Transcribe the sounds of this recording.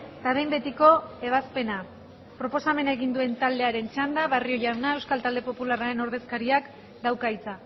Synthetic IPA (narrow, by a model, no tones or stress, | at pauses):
t̪aðe̞jmbe̞t̪iko̞e̞β̞aspe̞na | pɾo̞po̞same̞naeɣind̪ue̞nt̪ald̪e̞aɾe̞nt͡ʃand̪aβario̞ʝawnae̞wskalt̪ald̪e̞po̞pularaɾe̞no̞ɾð̞e̞skaɾiak | d̪awkajt͡sa